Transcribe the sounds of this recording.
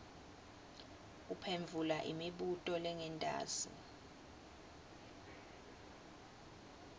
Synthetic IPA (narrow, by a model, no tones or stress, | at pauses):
upʰeɱvʱulaʔḭmiɓutʼɔlɛŋɛntʼa̰ːsḭ